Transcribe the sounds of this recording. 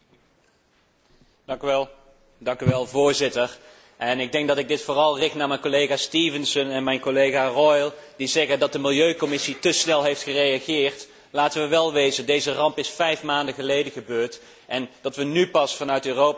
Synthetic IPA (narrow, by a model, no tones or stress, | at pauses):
kɛ | dɑŋkyʋɛlˠvʊːɹzɪtər | ʔɛnɪɡ̚dɛŋk̚dɑtɪɡ̚dɪtfʊːrɑlˠrɪknaːɹmɛjnkolejɣaːstiːvənsənɛnmɛjnkolejɣaːrɔjlˠdizɛɣədɑt̚dəmɪlˠjøɥkomɪsitəsnɛlˠɦejftχərejaɣɪːrt | laːtəʋəʋɛlˠʋejzədejzərɑmpɪsfɛjfmaːndəɣəlejdəɣəbøːɹt | ʔɛndɑtʋənypɑsfɑnœɥtøːrowp